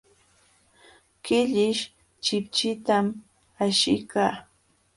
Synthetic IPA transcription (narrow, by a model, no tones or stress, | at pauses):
kɪʎɪʃ | t͡ʃɪp̚t͡ʃɪt̪am | aʃɪkaː